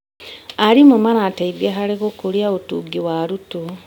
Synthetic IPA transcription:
aɾimomanateiɡeɦaɾeɣokoɾjaotuɡiwaɾutu

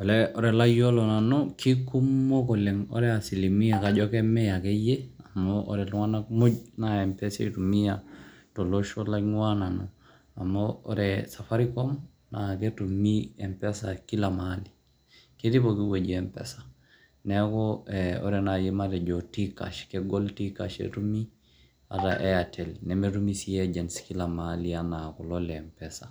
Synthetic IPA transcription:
olɛoɾɛlajolonanokʰikumːokoleŋo̰ɾɛasilimijakaɟokemejakejeamoo̰ɾɛluŋanakmoɟnaempesḛtumijatoloʃolaŋwanano | amo̰ːɾɛsafaɾikom | naketumiempesakilamali | ketibokiwoɟiempḛsḁ | nekoeo̰ɾenajimaɾeɟotika̰ʃkeɡoltikaʃḛtumi | a̰ta̰ʔejatʰelnemetumisijeɟenskilamalianakololeːmpesa

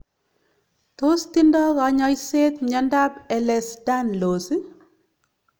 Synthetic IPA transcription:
t̪ost̪indɔkaɲɔjset̪ɲandapɛlɛsdanlosi

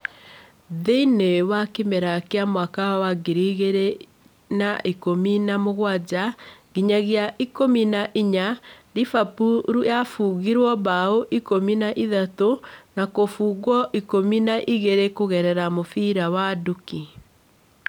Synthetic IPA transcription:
ðeinewakemɛɾakeamwakawaɡeɾiɣeɾe | naʔikominamoɣwad͡ʑaɣiɲaɣjaʔikominaʔiɲaɾifapuɾujafuɣiɾwɔβaoʔikominaʔiðatonakofuːɣwɔʔikominaʔiɣeɾekoɣɛɾɛɾamofiɾawaduki

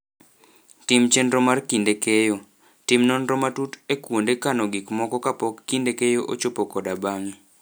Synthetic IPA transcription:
timt͡ʃenɾɔmarkindekejo | timnɔnɾɔmatutekwondekanɔɡɪkmɔkɔkapɔkːindekejoʔot͡ʃopokɔdabaŋi

